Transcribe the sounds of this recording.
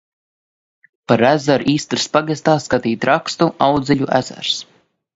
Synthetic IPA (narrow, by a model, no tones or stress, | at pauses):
paɾæzaɾiːst̪ɾspaɡɛst̪aːskat̪iːt̪ɾakst̪uawd̪zʲɛʎʲuʔæ̰z̥æ̰ɾs